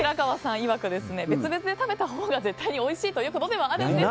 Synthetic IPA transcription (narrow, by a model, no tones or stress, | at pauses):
ɾakaβasãɰ̃iβakɯ̟d̪e̞sɨne̞be̞t͡sɨbe̞t͡sɨd̪e̞t̪abe̞t̪aɦoːɡaze̞t̪ːaiɲ̟io̞iɕiːt̪ojɯ̟ːkot̪o̞d̪e̞βaad̪ene